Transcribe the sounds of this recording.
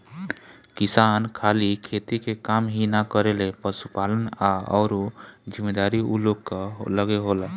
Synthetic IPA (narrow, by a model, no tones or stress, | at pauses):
kisankʰalikʰet̪ikekamɦinakəɾelepəsupalənaɔ̰ːɾod͡ʒimed̪aɾiṵlokːələɡeɦolɛ